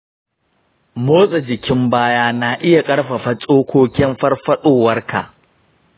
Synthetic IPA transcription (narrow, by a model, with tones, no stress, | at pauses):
moː˦sʼa˨d͡ʒɪ˨kʲɪ˦mbaː˦jaː˦na˨ʔɪ˦ja˨kʼɐ˦ɽɸɐ˨ɸɐ˦t͡sʼoː˦kʷoː˦kʲɪ˦mɸɐ˦rɸɐ˦ɗoː˦wɐ˦rkʰa̰˨ʔ